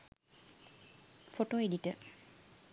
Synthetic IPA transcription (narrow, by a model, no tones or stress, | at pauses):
foʈoeɖiʈə